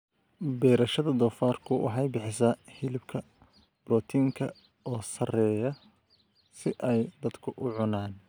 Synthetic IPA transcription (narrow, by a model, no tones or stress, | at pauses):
bɛːɾɐʃɐðɐd̪ɔːfaːrkʰʊwʔɑ̰ħɑjbɪħɪsahɪlɪbkʰɐ | b̥rɔːt̪ʰiːŋkʰɐ | ɔːsɐrɛːjɐ | sɪʔɛjd̪ɐd̪kʰʊʔʊʕʊnaːn